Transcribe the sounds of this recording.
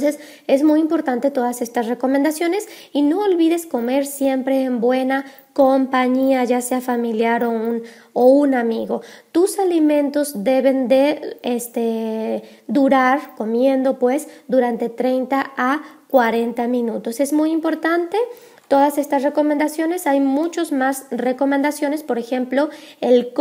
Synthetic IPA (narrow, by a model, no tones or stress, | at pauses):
nses | e̞zmujimpo̞ɾt̪ant̪e̞t̪o̞ðase̞st̪asre̞ko̞mend̪asjo̞ne̞s | ino̞ːlβiðe̞sko̞me̞ɾsje̞mpɾe̞ːmbwe̞na | kompaɲiaʝase̞afamiljaɾoun | ounamiɣo̞t̪usalimẽ̞nt̪o̞zd̪e̞βe̞nd̪e̞est̪e | d̪uɾaɾko̞mje̞nd̪o̞pwe̞sd̪uɾant̪e̞t̪ɾe̞jnt̪aakwaɾe̞nt̪amĩnut̪o̞se̞zmujimpo̞ɾt̪ant̪e̞ | t̪o̞ðase̞st̪asre̞ko̞mend̪asjo̞ne̞sajmut͡ʃozmasre̞ko̞mẽnd̪asjo̞ne̞spo̞ɾe̞xe̞mplo̞el